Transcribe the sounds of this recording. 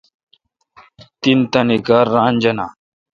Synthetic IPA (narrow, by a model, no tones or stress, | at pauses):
t̪int̪ɐnikaːɾːaːnd͡ʑɐnaː